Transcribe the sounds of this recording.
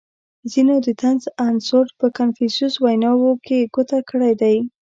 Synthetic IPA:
zinod̪ət̪anzansoɾʈpəkanfɪnsuswajnɑwokʰeɡot̪akəɽajd̪aj

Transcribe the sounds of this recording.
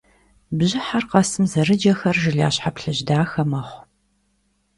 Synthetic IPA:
bʑɪħarqɐsɨmzɐrɨd͡ʒɐxɐrʒɪɮa̰ːɕħapɬɨʑdaːxɐmɐχʷ

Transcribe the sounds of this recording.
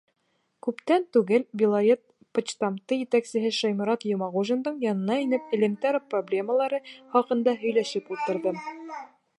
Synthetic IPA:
kʉpt̪ænt̪ʉɡɘlbʲilˠɐɾʲet̪̚ | pŏt͡ɕt̪ɑmt̪ɤjɘ̆t̪æksɘ̆ɦɘʃɒjmŭɾɑt̪jŏmɑʁuʒɤ̆nd̪ɤɴjɒnɤ̆nɑinɘpɘ̆lɘ̆mt̪æɾproblʲe̞məlˠɑɾɤχɒqɤ̆nd̪ɑɦɵ̆jlæʃɘpulˠt̪ɤ̆ɾðɤ

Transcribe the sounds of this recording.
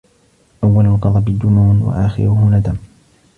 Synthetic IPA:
ʔawːalalqɑd̪ˤɑbɪd̪ːʊmuːnwa̰ʔaːxɪ̰ɾʊhʊnad̪am

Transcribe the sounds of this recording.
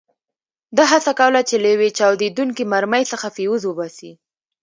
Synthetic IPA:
d̪aɦasakawlat͡ʃeləwet͡ʃɑwd̪ed̪uŋkimaɾməjsəxafiwuzwəbasi

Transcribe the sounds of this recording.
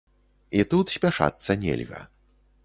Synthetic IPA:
it̪ut̪sʲpʲaʂa̰t̪sːɐnʲḛlʲɣɐ̰

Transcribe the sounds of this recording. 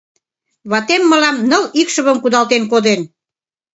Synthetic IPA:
βɑt̪emːəlɑmnəlikʃə̆βəmkud̪ɑlt̪enkod̪en

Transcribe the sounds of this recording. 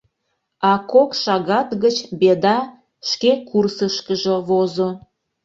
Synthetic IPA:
ɑkokʃɑɣɑt̪ɣət͡ɕbed̪ɑ | ʃkekursəʃkəʒoβozo

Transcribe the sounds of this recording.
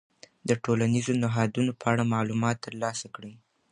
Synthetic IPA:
d̪əʈolanizonɪɦɑd̪unopʰəaɽamɑlumɑt̪ːəɾlɑsakɽi

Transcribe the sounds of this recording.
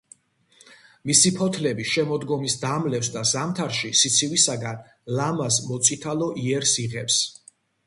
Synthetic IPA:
misipʰɔt̪ʰlɛbiʃɛmɔd̪ɡɔmisd̪amlɛfsd̪azamt̪ʰaɾʃisit̪sʰiwisaɡan | lamasmɔt̪sʼit̪ʰalɔʔiɛɾsiʁɛps

